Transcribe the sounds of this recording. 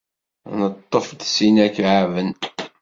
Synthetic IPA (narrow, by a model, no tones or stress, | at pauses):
nət̪ˤːofd̪sinækʕavən